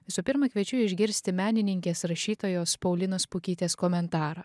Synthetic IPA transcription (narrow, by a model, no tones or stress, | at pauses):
ʋʲɪsʊpʲɪɾmɐkʲʋʲiɛt͡ʃʲʊɪʒʲɡʲɪɾʲsʲt̪ʲɪmʲæːnʲɪnʲɪŋʲkʲeːsɾɐʃʲiːt̪oːjoːspɐʊlʲɪnoːspʊkʲiːt̪ʲeːskɔmʲɛnt̪ɑːɾɑː